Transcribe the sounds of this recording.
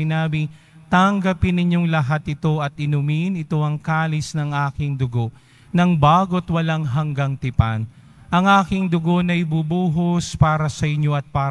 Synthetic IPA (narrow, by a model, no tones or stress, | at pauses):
ɪnaːbɪ | t̪ɐŋɡɐpɪnːɪɲːo̞ŋlɐɦat̪ɪt̪o̞ʔɐt̪̚ʔɪnʊmɪnɪt̪o̞ʔɐŋkaːlɪsnɐŋʔaːkɪŋd̪ʊɡo̞ | nɐŋbaːɡo̞t̪wɐlaŋɦɐŋɡɐŋt̪ɪpa̰n | ʔɐŋʔaːkɪŋd̪ʊɡo̞nɐjbubuːɦospaːɾɐsɐʔɪɲːo̞ʔɐt̪̚paː